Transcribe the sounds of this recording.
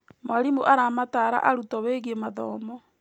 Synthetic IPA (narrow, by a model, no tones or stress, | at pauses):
maɾimuʔaɾamataɾa̰ʔaɾutɔβeɣemaðɔːmɔ